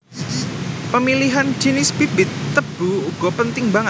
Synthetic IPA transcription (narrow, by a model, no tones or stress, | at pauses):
pəmiliɦand͡ʒinɪsb̥ibɪt̪ːəb̥uuɡ̥ɔpənt̪ɪŋbaŋə